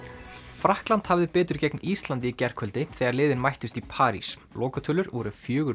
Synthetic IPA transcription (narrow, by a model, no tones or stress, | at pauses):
fɾahklant̪havðɪpɛːt̪ʏɾcɛknist̪lant̪̬ɪicɛr̥kʰœlt̪ɪθɛːɣaɾlɪːðɪnmajht̪ʏst̪ipʰaːɾḭs | lɔːkat̪ʰʏːlʏɾvɔɾʏfjœːɣʏ